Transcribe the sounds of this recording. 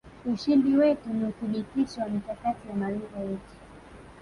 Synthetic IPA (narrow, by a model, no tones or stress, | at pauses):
uʃinbiwɛtuniuθiɓitiʃɔwamikakatiwamaliɡajɛti̥